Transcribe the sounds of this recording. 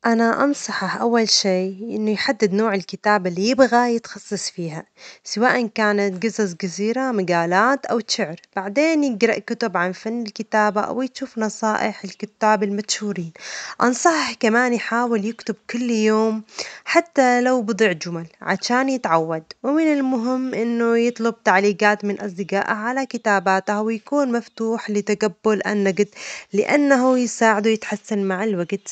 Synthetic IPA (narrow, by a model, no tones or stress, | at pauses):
ʔanaʔɑnsˤɑħɑħʔawːalʃiːʔɪnːʊjħad̪ːɪd̪noːʕɪlkɪt̪aːbalːijɪbɣajɪt̪xɑsˤːɑsˤfiːɦasawaːʔankaːnat̪ɡazazɡaziːɾamɪɡaːlaːt̪ʔawʃɪʕɾb̥aʕd̪eːnjɪɡɾɑʔkʊt̪ʊbʕanfanːɪlkɪt̪aːbaʔa̰wjʃuːfnɑsˤɑːʔɪħɪlkʊt̪ːaːbɪlmat̪ʃhuːɾiːnʔɑ̰nsˤɑħkamaːnjħaːwɪljɪkt̪ʊb̚kʊlːjoːmħat̪ːalawbɨd̪ˤiʕd͡ʒʊmalʕa̰ʃaːnjɪt̪ʕawːad̪wɪmɪnɪlmʊɦɪmːʔɪnːʊjɨt̪ˤlʊb̚t̪aʕliːɡaːt̪mɪnʔasˤd̪ɪɡaːʔaʕalakɪt̪aːbaːt̪hwɪjakuːnmaft̪uːħlɪt̪aɡabːʊlʔa̰nːaɡd̪lɪʔanːaɦujɪsaːʕɪd̪uwjɪt̪ħasːanmaʕɪlwaɡt̪